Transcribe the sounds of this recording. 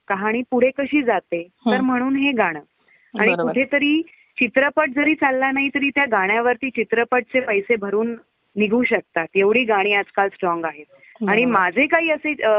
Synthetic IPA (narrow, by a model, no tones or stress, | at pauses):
kaɦaɽ̃iːpuɽ̤ekəɕiːd͡zat̪et̪əɾm̤əɽ̃uːnɦeɡaɽ̃əː | a̰ɽ̃ikuʈʰet̪əɾiː | t͡ɕit̪ɾəpəʈ̚d͡zəɾiːt͡salːanaɦit̪əɾiːt̪jaɡaɽ̃jaʋəɾt̪iːt͡ɕit̪ɾəpəʈ̚t͡sepəjsebʱəɾuːnː | iɡʱuːɕək̚t̪at̪jeʋɽ̤iːɡaɽ̃iːad͡zkalsʈɾɔŋɡaɦet̪̚ | aɽ̃imad͡zʱekaɦiːəse